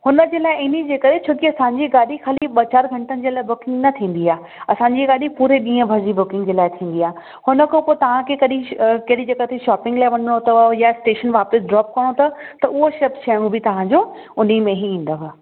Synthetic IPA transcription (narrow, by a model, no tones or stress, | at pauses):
hʊnəd͡ʑeːlaːɪʔɪnid͡ʑeːkɐɾet͡ɕʰoːkiɐsãːɲd͡ʑiɡaːɗixaːliɓɐt͡ɕaːɾɡʱɐ̃ɳʈənɪ̆d͡ʑeːlaːɪbʊkɪ̃ŋɡnɐt̪ʰĩːn̆d̪iaː | ɐsãːɲd͡ʑiɡaːɗipuːɾeɗĩːə̃bʱɐɾd͡ʑibʊkɪ̃ŋɡd͡ʑeːlaːɪt̪ʰĩːn̆d̪iaː | hʊnə̆kʰopoːt̪ɐʋ̤ãkʰekɐɗĩkɐɦɗid͡ʑɐɡət̪ʰeʃaːpɪ̃ŋɡlaːɪʋɐnəɽ̃ot̪ɐjasʈeːʃənʋaːpɪsɖɾɔːp̚kɐɽ̃ot̪ɐt̪ɐʔʊɦoʃɐpt͡ɕʰɐːɽ̃ũbʱɪt̪ɐʋ̤ãɲd͡ʑo | ʊnimẽɦiĩːn̆d̪əɦa